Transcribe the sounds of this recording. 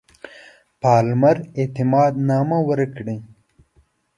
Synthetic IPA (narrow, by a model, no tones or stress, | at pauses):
paːlmɐɾet̪imɑːd̪naːmawəɾkɽĩ